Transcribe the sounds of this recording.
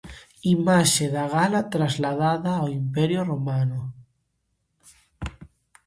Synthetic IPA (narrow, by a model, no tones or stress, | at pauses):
imaʃeðaɣ̞alat̪ɾazlað̞aðaːwimpeɾjoromano